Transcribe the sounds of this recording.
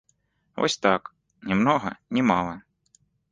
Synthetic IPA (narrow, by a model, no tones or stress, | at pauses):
o̰sʲt̪ɑk | nʲimnoɦɐ̰nʲimɑlˠɐ